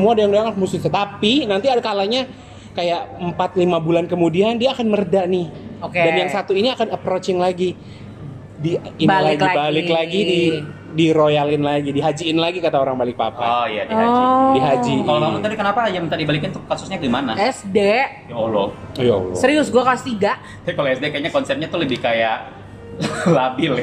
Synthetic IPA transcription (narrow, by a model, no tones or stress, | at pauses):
səmuadojaŋdoaŋamusuat̪apinant̪iadakalaɲa | kajaʔəmpat̪̚limabulankəmudiandiaːkanmərdaʔnɪhokedanjaŋsat̪uiniakanəpɾot͡ʃɪŋlaɡi | diillaɡiabalɪklaɡidi | diɾojalɪnlaɡidiɦad͡ʒiɪnlaɡikat̪aoɾaŋbalɪk̚pa̰paojadidiɦad͡ʒikalonamut̪adikənapaːd͡ʒaməit̪aʔdibalikɪnt̪ʊkasʊsɲaɡimanaɛsde | jaolɔjao̰lɔssəɾiʊsɡuakast̪idaʔ | bakaloɛsdekajaɲakɔnsɛpt̚ɲat̪ʊləbɪhkajaʔ | labɪl